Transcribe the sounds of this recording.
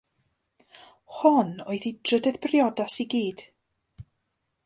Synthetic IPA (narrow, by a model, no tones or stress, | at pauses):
hɔnoɨθid̥rədɛðbrjɔdasiɡiːd̥